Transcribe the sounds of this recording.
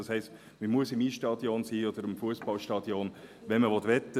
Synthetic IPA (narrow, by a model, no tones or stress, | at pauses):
ɑshɛɪst | məmuəsɪmiːʃtɑd̪jonsiːɔd̥̪əɾɪmfuəsbɑlʃtɑd̥̪jonʋɛnməʋɔt̪ʋɛt̪ːə